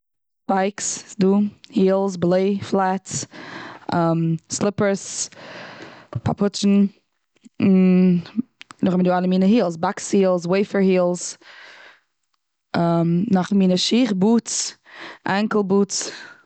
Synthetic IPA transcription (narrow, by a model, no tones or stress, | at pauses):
b̥aɪksduːhiːlˠsblˠeɪflˠat | amslɪpəɾs | pʰa̰pʰʊt͡ʃn̩ | n̩ | nʊχmənduːaləmiːnəhiːlˠs̬bakshiːlˠs̬weɪfəɾhiːlˠs | amnaχmiːnəʃiːχbuːt͡s | ʔɛŋklˠbuːt͡s